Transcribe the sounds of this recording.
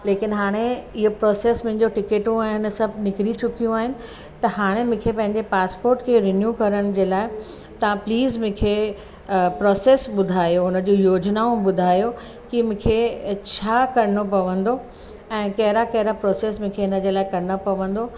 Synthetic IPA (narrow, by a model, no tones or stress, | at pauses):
leːkɪnɦaːɽ̃eɪɦopɾɔːseːsmʊ̃ɦɪ̃ɲd͡ʑoʈɪkeːʈũaːɦɪnɪ̆sɐbʱnɪkɾit͡ɕʊkijũaːɦɪnɪ̆ | t̪ɐɦaːɽ̃emʊ̃ːkʰepɐ̃ɦɪ̃ɲd͡ʑepaːspoːɾʈkʰeɾɪnjuːkɐɾəɽ̃d͡ʑeːlaːɪ | t̪ɐʋãpliːzmʊ̃ːkʰe | pɾɔːseːsɓʊd̪ʱaːjoʊnə̆d͡ʑojoːd͡ʑnaũɓʊd̪ʱaːjo | kimʊ̃ːkʰet͡ɕʰaːkɐɾɪñopɐʋə̃nd̪o | ɛ̃ːkɐɦɪɾakɐɦɪɾapɾɔːseːsmʊ̃ːkʰeɪnəd͡ʑeːlaːɪkɐɾɪñopɐʋə̃nd̪o